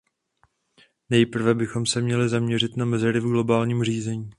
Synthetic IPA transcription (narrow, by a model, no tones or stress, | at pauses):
nɛjpr̩vɛbɪxo̞msɛmɲɛlɪzamɲɛr̝ɪt̪namɛzɛɾɪvɡlo̞baːlɲiːmriːzɛɲiː